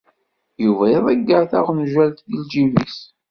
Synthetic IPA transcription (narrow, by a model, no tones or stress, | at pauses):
juviðˤæɡːəɾθaʁnʒælt̪jild͡ʒivḭs